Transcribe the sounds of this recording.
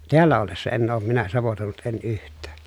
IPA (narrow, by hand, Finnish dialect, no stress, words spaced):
teælːæ olːesːɑ enː oːm minæ sɑʋotoˑi̯nut en yhtˑæː